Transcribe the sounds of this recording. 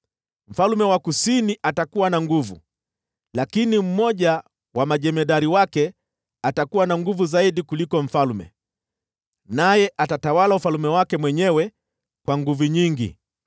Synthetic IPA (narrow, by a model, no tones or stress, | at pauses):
m̩falumɛwakusiniʔatakuwanaŋɡuvṵ | lakinim̩mɔʄa | wamaʄɛmɛɗaɾiwakɛ | atakuwanaŋɡuvuzaiɗikulikɔɱ̩falmɛ̰ | najɛʔatatawalaufalumɛwakɛmwɛɲɛwɛ | kwaŋɡuvuɲiŋɡḭ